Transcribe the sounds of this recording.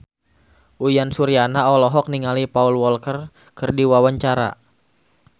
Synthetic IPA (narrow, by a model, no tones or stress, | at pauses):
ʔujansuɾianaɔlɔɦɔk̚niŋalipaulwɔlkər | kɨrdiwawaɲt͡ʃaɾa̰